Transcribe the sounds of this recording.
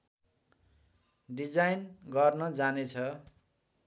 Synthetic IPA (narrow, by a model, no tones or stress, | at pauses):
ɖid͡zajnɡʌrnʌd͡zanet͡sʰʌ